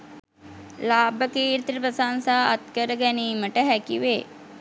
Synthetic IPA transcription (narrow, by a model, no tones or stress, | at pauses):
laːbəkeːɾt̪ɾəpəsansaːat̪kəɾəɡæniːməʈəɦækiʋeː